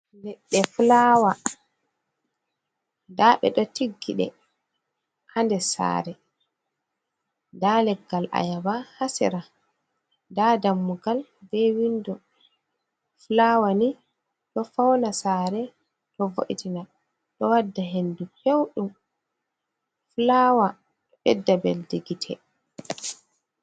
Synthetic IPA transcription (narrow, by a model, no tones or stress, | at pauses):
nɛɗːɛfulawa | ndaɓɛ̰ɗɔtiɡːiɗɛ̰ | kandɛsa̰ːɾɛ | ndalɛɡːalʔa̰jabahasḭɾa | ndadamːuɡalbɛwindɔ | flawani | tɔfawnasaɾɛ | tɔvo̰ʔḭtina | ɗɔwadːaɦendukewɗum | flawa | ɗɔɗɛdːabɛ̰ldiɡitʰɛ̰